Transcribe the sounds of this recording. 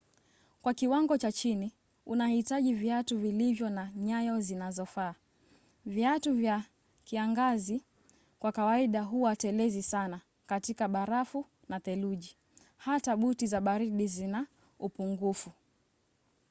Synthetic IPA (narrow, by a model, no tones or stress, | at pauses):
kwakiwaŋɡɔt͡ʃat͡ʃini | unahitaʄiviatuvilivjɔnaɲajɔzinazɔfaː | vjatuvja | kiaŋɡazi | kwakawaiɗaɦuwatɛlɛzisana | katikaɓaɾafu | naθɛluʄi | hataɓutizaɓaɾiɗizina | upuŋɡufu